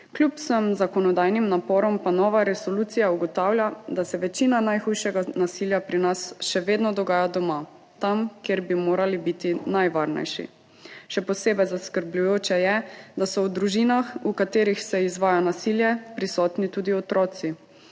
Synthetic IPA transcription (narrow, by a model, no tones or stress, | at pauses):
klʲupsəmzakɔnɔd̪aːjnimnapɔːɾɔmpanɔːʋaɾɛsɔluːt̪sijauɡɔt̪aːwlʲjad̪asɛʋɛt͡ʃinanajxujʃɛɡanasiljapɾinasʃɛʋeːd̪nɔd̪ɔɡaːjad̪ɔma | t̪amkjeɾbimoːɾalibit̪inajʋaːɾnɛ̰jʃḭ | ʃɛpɔseːbɛjzaskəɾblujoːt͡ʃɛjɛd̪asɔwd̪ɾuʒiːnaxukat̪eːɾixsɛizʋaːjanasiljɛpɾisɔːt̪nit̪uːd̪iɔt̪ɾɔːsi